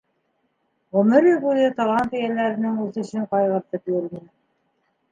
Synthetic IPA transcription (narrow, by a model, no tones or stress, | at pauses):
ʁɵ̆mɘɾiβujɤt̪ɑlˠɑnt̪ijælæɾɘ̆nɘŋʉθɘ̆ʃɘɴqɑjʁɤ̆ɾt̪ɤpjɵɾmɘ̆n